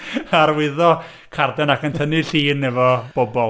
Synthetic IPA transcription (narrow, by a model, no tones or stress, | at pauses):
aɾwɪðɔ | kʰardɛnakəntʰəniɬiːnɛvɔb̥ɔbɔlˠ